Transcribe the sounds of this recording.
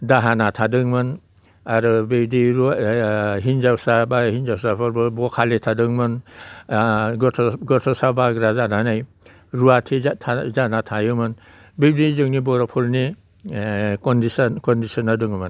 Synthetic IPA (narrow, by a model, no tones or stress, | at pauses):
daɦanatʰadɯŋmɯn | aɾɯbewdiɾ | ɦinzawsabahinzawsapʰɔɾbɯbɔkʰaletʰadɯŋmɯn | tʰɡɔtʰɔsabaɡɾazananaj | ɾuatʰiatʰazanatʰajɯmɯn | bewdizɯŋnibɔɾɔpʰuɾni | kɔndisɔnkɔndisɔnadɯŋmɯn